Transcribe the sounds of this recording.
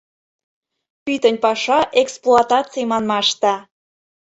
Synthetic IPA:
pyt̪ənʲpɑʃɑʔeksplˠoɑt̪ɑt͡sijmɑnmɑʃt̪ɑ

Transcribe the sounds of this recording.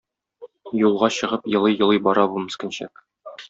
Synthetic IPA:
julˠʁɑɕɤ̆ʁɤpjɤ̆lˠɤjɤ̆lˠɤjbɒɾɑbumɘ̆skɘ̆nɕæ̰k

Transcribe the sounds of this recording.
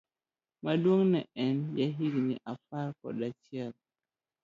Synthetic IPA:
madwoŋnɛʔɛnjaɦikniʔafaɾkɔ̰ɗatjal

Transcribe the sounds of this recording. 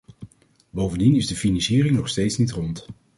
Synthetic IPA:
bowvəndinɪzdəfinɑnsiːrɪŋnɔχstejtsnitrɔnt

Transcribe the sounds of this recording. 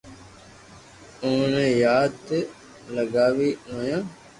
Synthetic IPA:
ʊːnẽːjaːd̪ | ləɡaːʋiːɦoːjãː

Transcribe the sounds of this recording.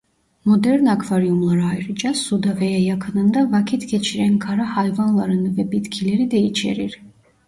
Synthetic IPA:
mɔd̪ɛɾnakʰvaɾijumlˠaɾajɾɨd͡ʒasud̪avɛjɛjɑkʰɯnɯnd̪avakʰit̪ʰkʰɛt͡ʃʰiɾɛnkʰaɾahajvanlˠaɾɯnvɛbit̪kʰilɛɾid̪ɛit͡ʃʰɛ̰ɾiɾ

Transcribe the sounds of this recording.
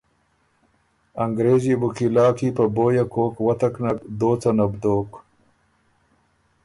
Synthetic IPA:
ɐŋɡɾeːzibukilaːkipɐboːjakoːkwɐt̪ɐknɐkd̪oːt͡sanɐbd̪oːk

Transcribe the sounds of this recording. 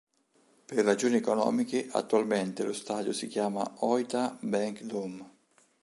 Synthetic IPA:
pɪrːad͡ʒoːniɛkɔnɔ̰ːmikɪʔa̰t̪ːualment̪ɪlʊst̪aːd̪jʊsik̟jaːma̰ɔjt̪abɛŋkd̪um

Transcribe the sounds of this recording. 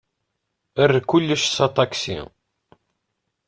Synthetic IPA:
ərːkulːəʃsɑt̪ˤɑksḭ

